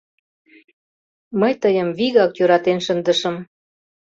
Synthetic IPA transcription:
məjt̪əjəmviɣɑkjøɾɑt̪enʃənd̪ə̆ʃəm

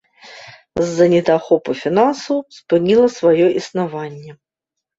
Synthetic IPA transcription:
zːɐnʲɪt̪axɔpəfʲɪnansʊspɨnʲilˠəsvajɔʔisnavanʲːjɛ

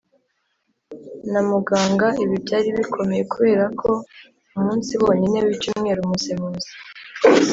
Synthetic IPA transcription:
namuɡaːŋɡaiβibɟaːɾiβikʰo̞me̞je̞kuβe̞ːɾakʰo̞ | umuːnsiβo̞ːɲine̞βit͡ʃuːmŋe̞ːɾumusemuzi̥

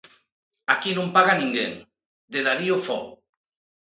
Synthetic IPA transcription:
akinũmpaɣanĩŋɡḛŋ | d̪eðaɾiofɔ̰

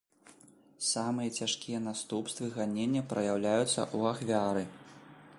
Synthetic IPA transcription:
samɨjɐt͡sʲaʂkʲijɐn̪ast̪upst̪vɨɣanʲenʲːɐpɾɐ̰jawlʲajut̪sːɐ̰ʔuaxvʲaɾɨ

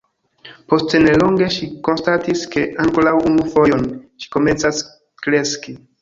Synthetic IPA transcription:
po̞stene̞loŋɡe̞ʃiko̞nstatiske̞ʔaŋkolawunufo̞jo̞nʃi̥ko̞me̞nt͡sas | kɾe̞ski

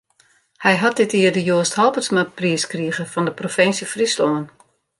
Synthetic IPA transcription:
hɛjɦat̚dɪtiərdəjoəsthɔlˠpəsmapriəskriəɣəfɔndəprofɪnsjəfrisloən

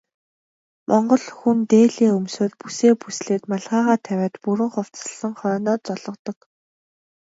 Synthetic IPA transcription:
mʔɔɴɢɞ̆ɮxunt̪eːɮiːɵmsoːrpuseːpusɮeːt̪maɮʁaːʁaːt̪ʰæwʲæːt̪puɾɘ̆ŋχʊw̥t͡sə̥̆ɮə̆ŋχɔːnɔːt͡sɔɮɞ̆qt̪ɞ̆k

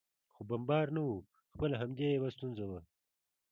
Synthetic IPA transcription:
xobɐmbɑːɾnawu | xpəlaɦamd̪ʲejebast̪unzawa

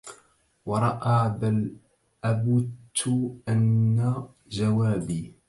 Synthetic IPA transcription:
wɑɾˤɑʔaːbal | ʔabʊt̪ːʊʔanːa | d͡ʒawaːbiː

